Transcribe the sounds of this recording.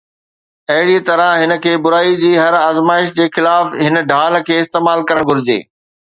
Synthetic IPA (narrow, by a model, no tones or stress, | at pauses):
ɐɦɪɽit̪ɐɾə̃ɦɪnə̆kʰeːbʊɾaːid͡ʑiːɦɐɾaːzmaːɪʃd͡ʑeːxɪlaːfɦɪn̆ɖʱaːl̆kʰeːɪst̪eːmaːlkɐɾəɽ̃ɡʱʊɾɪd͡ʑḛː